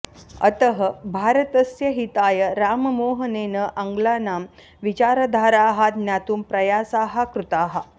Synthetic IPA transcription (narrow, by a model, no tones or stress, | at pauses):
ə̰t̪əɦəbʱaːɾət̪əsjɐɦit̪aːjəɾaːmmoːɦəneːnəʔɐŋɡlaːnaːm | ʋit͡ɕaːɾəd̪ʱaːɾaːɦat̪̚njaːt̪uːmpɾɐjaːsaːɦakɾut̪aːɦa